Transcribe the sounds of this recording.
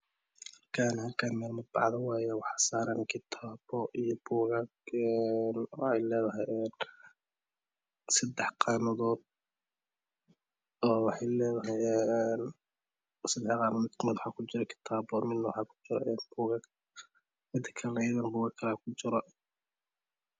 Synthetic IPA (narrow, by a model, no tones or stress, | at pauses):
hɐrkʰaːnɦɐlkʰaːnmɛːlmɐbɑʕd̪ɐwaːjɛwɑħɑsaːɾɐnkʰɪt̪ʰaːbɔʔijɔbuːɣɐɡɛnwɑħɑjlɛːðɐɦajɛːn | sɐd̪ɛħqɑːmɐðɔːd̪̚ | ɔːwɑħɑjlɛːðɐɦɐjɛːn | sɐd̪ɛħqɑːmɐðɔd̪kʰmɛd̪wħɑːkʰʊt͡ʃɪɾɐkʰɪ̥t̪ʰaːbɔmɪd̪nɐwɑħɑːkʰʊ̥t͡ʃɪɾɐ̰ʔɛːnb̥uːɣɐɡ | mɪd̪ɐkʰɐlnɐjɐðɐnbuːɣɐkʰɐlaːkʰʊt͡ʃɪɾɔ